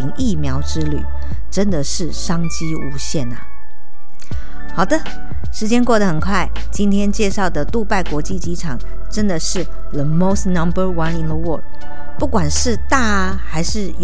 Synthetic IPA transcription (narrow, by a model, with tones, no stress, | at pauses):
i˧˥ŋi˥˩mjɑ˧˥ʊʈ͡ʂɻ̩˥ly̰˨˩˦ | ʈ͡ʂə˦˥nd̪ə˨ʂɻ̩˥˩ʂɑ˥ŋt͡ɕi˥u˧˥ɕjɛ˥˩nə̰˨˩ | xɑ˨˩ʊd̪ə˦ | ʂɻ̩˧˥t͡ɕjɛ˥nkwɔ˥˩d̪ə˩xə˨˩nkʰwa˥˩ɪ | t͡ɕi˥nt̪ʰjɛ˥nt͡ɕjɛ˥˧ʂɑ˥˩ʊd̪ə˩t̪u˥˧pa˥˩ɪkwɔ˧˥t͡ɕi˥˩t͡ɕi˧˥ʈ͡ʂʰɑ˨˩ŋ | ʈ͡ʂə˥nd̪ə˨ʂɻ̩˥˩ | ðə˨mo˥˧ʊsnɐ˦mbə˞˥wɐ˧˦nɪ˨nðə˧wɔ˥˨d̚ | pu˥˩kwa˨˩nʂɻ̩˥˧t̪a˥˩ | xa˧˥ɪʂɻ̩˥˩j